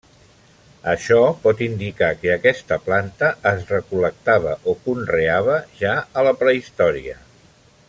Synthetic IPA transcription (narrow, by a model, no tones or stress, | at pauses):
əʃɔpɔt̪ind̪ikakəːkɛst̪əplant̪əːzrəkulək̚t̪aβəʔokunreaβəʒaələpɾəist̪ɔɾiə